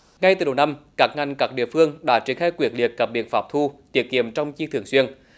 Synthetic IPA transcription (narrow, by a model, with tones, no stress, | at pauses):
ŋa˧jt̪ɨ˨˩ɗə˨˩wna˧mkaː˦˥k̚ŋa˨˩ŋ̟kaː˦˥k̚ɗḭ˧˨əfɨ˧əŋɗa̰ː˧˥t͡ɕi˧˩xaː˧jkwi˧˩ət̚lḭ˨˩ət̚kaː˨˦˥k̚ɓḭ˧˨ənfaː˨˦˥p̚t̪ʰu˧t̪i˧˦˥əki˧˨əmt͡ɕɔ˧wŋ͡mt͡ɕi˧t̪ʰɨ˨˧˩əŋswi˧ən